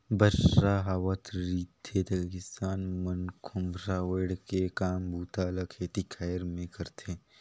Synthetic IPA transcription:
bəɾːaɦawat̪ɾiːt̪ʰet̪akɪst̪aːnmɐnkʰʊmbɾaʋeːɽkekaːmbʱuːt̪aːlakʰeːt̪ikʰaːjəɾmẽkɐɾt̪e

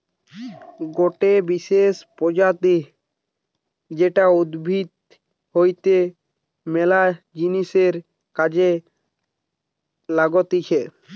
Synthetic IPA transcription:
ɡoʈebiʃeʃpod͡ʑat̪i | d͡ʑeʈaod̪bʱit̪̚ | hojt̪e | mɛla | d͡ʑiniʃeɾ | kad͡ʑe | laɡot̪it͡ɕʰe

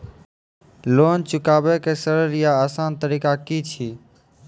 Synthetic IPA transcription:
loːnt͡ʃʊkaːbeːkeːsəɾəɾɪjaːaːsaːnt̪əɾiːkaːkiːt͡ʃʰiː

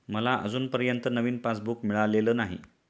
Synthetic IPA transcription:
məlaʔə̰d͡zuːnpəɾjənt̪ənəʋiːnpat͡sbukmiɭaleləːnaɦḭ

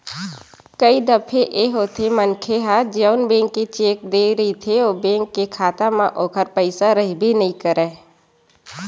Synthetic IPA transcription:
kəid̪əpʰeʔeɦoːt̪ʰemənkʰeɦad͡ʒəʊnbẽːŋkːet͡ʃeːk̚d̪eɾəɦit̪ʰeoːbẽːŋkːekʰaːt̪amãʔoːkʰəɾpəɪsaɾəɦibʱinəɦĩkəɾẽː

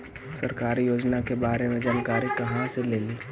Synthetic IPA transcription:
sə̰ɾkaːɾijoːd͡ʒnakebaːɾemẽd͡ʒaːnkaːɾikɐɦãseleːl

